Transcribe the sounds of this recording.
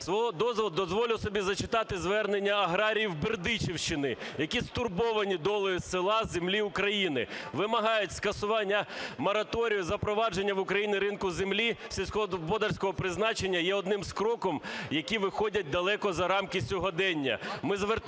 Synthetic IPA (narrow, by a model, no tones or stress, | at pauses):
sʋɔɦɔd̪ɔzʋɔd̪ɔzʋɔlʲɪwsɔbʲizɐt͡ʃɪ̥t̪ɑt̪ɪzʋɛrnenʲːɐɐɦɾɑɾʲijiwbɪrd̪ɪt͡ʃiwʃt͡ʃɪnɪjɐkʲist̪ʊrbɔʋɐnʲid̪ɔlˠɔjisɪlˠɑzemlʲiʊkɾɐjinɪ̰ʋɪmɐɦɑjʊtʲskɐsʊʋɑnʲːɐmɔɾɐt̪ɔɾʲijʊzɐpɾɔʋɑd͡ʒenʲːɐʋʊkɾɐjinɪɾɪnkʊzemlʲisʲilʲsʲkɔɦɔbɔd̪ɐrʲsʲkɔɦɔpɾɪznɑt͡ʃenʲːɐjɛɔd̪nɪmskɾɔkɔmjɐkʲiʋɪxɔdʲɐt̚ʲd̪ɐlˠɛkɔzɐɾɑmkɪsʲɔɦɔd̪ɛnʲːɐ̰mɪzʋer